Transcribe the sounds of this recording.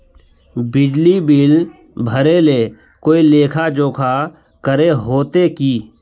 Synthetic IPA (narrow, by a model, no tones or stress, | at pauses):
bɪd͡ʒlibɪl | bʱəɾele | koːileːkʰad͡ʒoːkʰa | kəɾeɦoːt̪ekiː